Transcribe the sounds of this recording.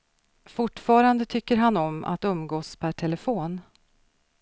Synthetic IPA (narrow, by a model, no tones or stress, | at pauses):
fʊʈːfɑːɾand̪ət̪ʰʏkːəɾɦanɔma̰t̪ɵmɡoːspʰæʈʰɛləfoːn